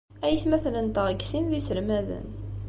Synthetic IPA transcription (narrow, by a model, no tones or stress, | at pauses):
æjəθmæθlənt̪əʁəɡsinðisəɾmæðə̰n